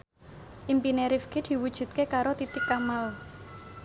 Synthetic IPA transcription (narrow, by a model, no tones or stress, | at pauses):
ʔimpineɾifkid̪̥i̤wud̥ʒ̥ṳt̪̚kekaɾot̪it̪ɪkːamal